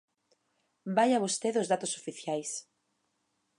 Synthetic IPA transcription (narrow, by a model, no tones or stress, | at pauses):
bajaβost̪eðozðat̪ʊso̥fiθjajs